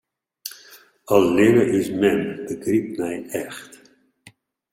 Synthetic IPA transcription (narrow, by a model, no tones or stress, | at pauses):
ɑllɪnəʔɪsmɛnbəɡrip̚mɛjɛxt